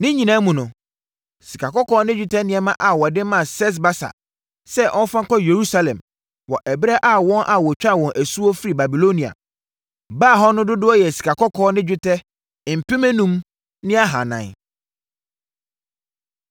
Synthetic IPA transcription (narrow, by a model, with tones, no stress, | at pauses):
nɪ̃˦ɲĩ˨nãː˦mũ˨nʊ̃˨ | si˨kʰa˨kɔ˦kɔː˦nɪ̃˦d͡ʑᶣɪ˦tʰɛ˦nɪ̃˨ɛ̃˨mã˦ʔa˨wɔ˨dɪ̃˦mã˦˨sɛ˦s̬ba˦sa̰˨ | sɛ˦ʔɔ̃˦n˦fã˦ŋ̩˦kɔ˦je˨ɾu˦sa˦lɛ̰̃˨m | wɔ˨ʔɛ˨bɾɛ˦ʔa˦wɔ̃˦nʔa˨wɔ˨t͡ɕᶣa˦˨wɔ̃˨nʔæ˨su˦ɔ˦fi˦ɾi˨ba˨bi˨lo˦nĩ˨a̰˨ | baː˦˨ɦɔ˦nʊ̃˦dʊ˦dʊ˦ɔ˦jɛ˨si̥˨kʰa˨kɔ˦kʰɔː˦nɪ̃˦d͡ʑᶣɪ˦tʰɛ˦˨ | m̩˨pʰɪ̃˦mɛ̃˦nũ˦m | nɪ̃˦a˦ɦa˨nã̰˨n˨